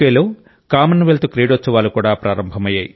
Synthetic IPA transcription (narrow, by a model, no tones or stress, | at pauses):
eːloː | kaːmɐnʋelt̪ukɾiːɽʋot̪sːɐʋaːlukuːɽaːpɾaːɾɐmbʱɐmɐjːa̰ːji